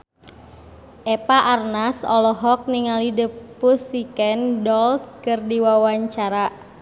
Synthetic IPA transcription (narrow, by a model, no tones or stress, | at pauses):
ʔepaʔarnasɔ̰lɔɦɔk̚niŋalidəppusikɛndɔlskɨrdiwawaɲt͡ʃaɾa